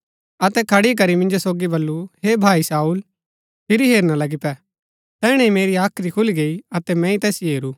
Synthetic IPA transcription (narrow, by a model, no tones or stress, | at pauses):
ɐt̪ɛkʰɐɽik̬ɐɾimɪ̃nd͡ʒosoːɡibɐlːuɦebʱaːisaːuːl | pʰɪɾiɦeːɾnalɐɡipɛ | t̪ɛːɽ̃ɛ̃imeːɾiaːkʰɾikʰʊliɡeːiɐt̪ɛmɛ̃ĩt̪ɛːsieːɾuː